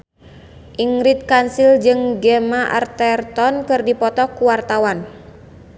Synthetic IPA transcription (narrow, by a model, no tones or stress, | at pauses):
ʔiŋɾit̪̚kansild͡ʒɨŋɡɛmaʔa̰rt̪ɛrt̪ɔnkɨrdipɔt̪ɔkuwart̪awan